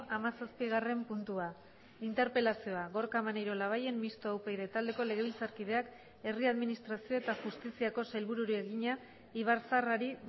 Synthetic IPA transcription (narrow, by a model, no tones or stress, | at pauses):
amasaspiɣare̞mpunt̪ua | int̪e̞ɾpe̞lasio̞aɣo̞ɾkamanajɾo̞laβ̞aje̞mːist̪oawpejɾe̞t̪ald̪e̞ko̞le̞ɣe̞ilt͡saɾkiðe̞ak | e̞riaðminist̪ɾasio̞e̞t̪axust̪isiako̞salβuɾuɾie̞ɣiɲa | iβ̞aɾsaraɾi